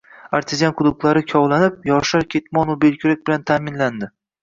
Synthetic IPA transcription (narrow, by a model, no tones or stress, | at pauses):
aɾt̪ʰɪzanqʰʊd̪ʊqlˠaɾɪkʲʰɒwlanɪp̚jɒʃaɾkʲʰet̪mɒnʊbelkʲʰʊɾak̚ʲbɪlant̪ʰaːmɪnland̪ɪ